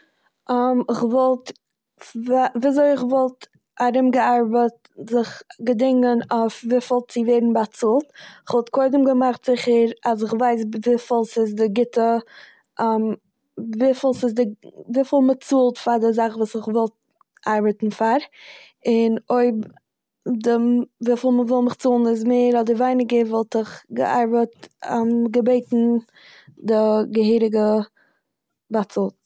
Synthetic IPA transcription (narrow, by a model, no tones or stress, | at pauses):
mɪχvɔlˠt | aviːazoɪɪχvɔlˠt | aɾɪmɡəaɾbət | zɪχɡədɪŋənaʊfviːfɪlˠtt͡sɪvɛɪɾn̩bat͡suːlˠtɪχvɔlˠt̚koɪdəmɡəmaχtz̥ɪχəɾas̬ɪχvaɪs̬viːfɪlˠsɪs̬dɪɡɪtə | m | viːflˠsɪsdɪviːfɪlˠmət͡suːlˠtfadɪzaχvuːsɪχvɔlˠt̚ | ʔaɾbətn̩faɾ | ɪnoɪb | dɪvifɪlˠməvɪlˠmɪχt͡suːlˠn̩ɪz̬meɪɾɔdəvaɪnɪɡəvɛlˠtɪχɡə̰ʔa̰ɾbətamɡəbeɪtn̩ | dɪɡəɦiːɾɪɡə | bat͡sulˠt